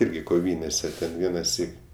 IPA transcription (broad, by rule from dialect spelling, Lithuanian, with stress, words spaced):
ˈɪrʲɡʲɪ koːˈʋʲiːnʲeːsʲɛ tʲɛn ˈʋʲiɛnɐˌsʲiːk